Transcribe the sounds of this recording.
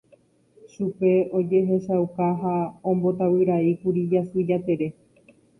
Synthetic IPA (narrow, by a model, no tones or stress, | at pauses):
ʃupe̞o̞d͡ʒe̞ɦe̞ʃawkaɦaõ̞mbo̞t̪awiɾaikuɾid͡ʒasɨd͡ʒat̪e̞ɾe̞